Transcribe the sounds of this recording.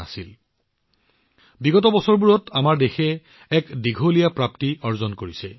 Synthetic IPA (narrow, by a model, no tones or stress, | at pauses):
asil | biɡɔtɔbɔsɔɹbuɹɔtʰamaɹdexɛ | ɛkdiɡʱolijapɹaptiɔɹzɔnkoɹisɛ